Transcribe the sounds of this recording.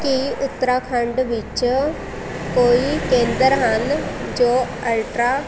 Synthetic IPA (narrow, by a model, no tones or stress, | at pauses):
kiʊt̪ːəɾaːkʰəɳɖʋɪt͡ʃ | koːiːkẽːnd̪əɾɦənd͡ʒoː | əlʈɾaː